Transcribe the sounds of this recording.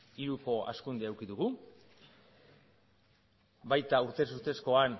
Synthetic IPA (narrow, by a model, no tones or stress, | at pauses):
iɾuko̞a̰skund̪eawkiðuɣu | bajt̪auɾt̪e̞s̬uɾt̪e̞sko̞an